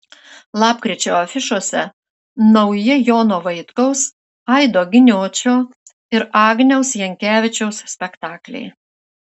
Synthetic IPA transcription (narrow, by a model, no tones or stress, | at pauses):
lˠɑːpkɾʲɪt͡ʃʲoːɐfʲɪʃoːsʲɛ | nɐʊjɪjoːnoːʋɐɪt̪kɐʊs | ɐɪd̪oːɡʲɪnʲoːt͡ʃʲoː | ɪɾɑːɡnʲɛʊsjɛŋʲkʲæːʋʲɪt͡ʃʲɛʊssʲpʲɛkt̪ɑːklʲɛ̰ɪ